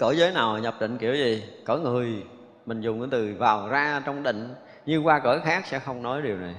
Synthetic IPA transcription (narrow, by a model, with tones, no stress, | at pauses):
kəː˧˩˦jzəː˨˦jnaː˨˩wɲə˨˩p̚ɗḭ̈˧˨ŋ̟ki˧˩əwzi˨˩kɔː˧˦ŋɨ˨˩əj | mï˨˩ŋ̟zʊ˨˩ŋ͡mʔt̪ɨ˨˩vaː˨˩wzaː˧t͡ɕɔ˧wŋ͡mɗḭ̈˧˨ŋ̟ | ɲɨ˧kwaː˧kəː˧˩xaː˦˥k̚sɛ̰˧˥xə˧wŋ͡mnɔ˨˦jɗi˨˩əwna˨˩j